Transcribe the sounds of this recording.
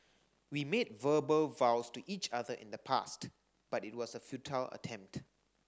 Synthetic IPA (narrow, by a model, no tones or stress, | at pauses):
wimed̚vəbəlvawstuʔit͡ʃaðəʔɪ̰̃nd̪əpʰa̰st | b̥atɪt̚wɔsəfjutʰalə̰tʰɛ̃mp̚t